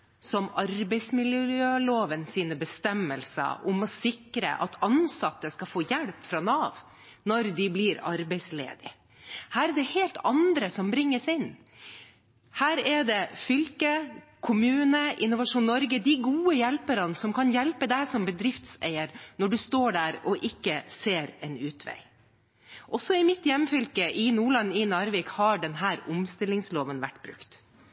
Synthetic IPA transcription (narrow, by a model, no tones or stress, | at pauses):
sɔmɑɾbɛɪsmɪljøːloːʋənsiːnəbəst̪ɛmːəlsə̰ʔʊmɔsɪkɾə̰ʔɑ̰t̪ʰɑnsɑt̪ːəskɑfoːjɛlpfɾɑnɑːʋ | nɔɾd̪ɪblɪɾɑɾbɛɪslḛːd̪ɪ̰ | hæːɾɛɖ̪ɛheːlt̪ʰɑnd̪ɾəsɔmbɾɪŋːəsɪnː | hæːɾɛɖ̪ɛfʏlkəkʰʊmʉːnəʔɪnʊʋɑʂuːnnːɔɾɡəd̪ɪɡuːəjɛlpəɾənsɔmkʰɑnjɛlpəd̪æɪsɔmbəd̪ɾɪft̪sæ̰ɪəɾnɔɖʉst̪oːɖæːɾɔʔɪkːəseːɾɛnʉːt̪ʰʋæ̰ɪ | ʔɔsɔɪmɪt̪jɛmːfʏlkəʔɪnuːɭɑnːɪnɑːɾʋɪkhɑɖɛnɦæːɾʊmst̪ɪlːɪŋsloːʋənʋæ̰ʈːbɾʉ̰kt̪